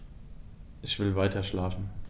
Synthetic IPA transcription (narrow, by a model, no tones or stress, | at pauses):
ʔɪçv̥ɪlvaɪtʰɐʃlaːfn̩